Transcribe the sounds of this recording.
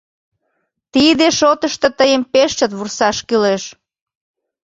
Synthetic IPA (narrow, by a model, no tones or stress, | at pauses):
t̪id̪eʃot̪əʃt̪ə̆t̪əjəmpeʃt̪ə̆t̪βursɑʃkyleʃ